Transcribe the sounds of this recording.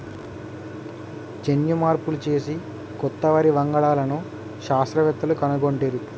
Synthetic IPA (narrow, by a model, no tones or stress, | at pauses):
t͡ʃenjumaːɾpulut͡ʃe̞ːsi | kɔt̪ːɐʋɐɾiʋɐŋɡɐɭaːlɐnu | ʃaːst̪ɾɐʋɛt̪ːɐlukɐnuɡoɳʈeːɾu